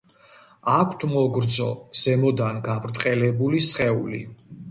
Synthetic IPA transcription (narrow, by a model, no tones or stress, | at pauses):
akʷʰt̪ʰmɔɡɾd̪zɔz̥ɛmɔd̪anɡabɾt̪ʼqʼɛlɛbulisχɛṵlḭ